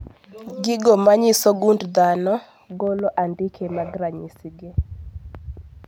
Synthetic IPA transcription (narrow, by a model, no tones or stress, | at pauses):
ɡɪɡɔmaɲɪsoɡundd̪anɔ | ɡolɔʔandɪkʰemaɡɾaɲisiɡe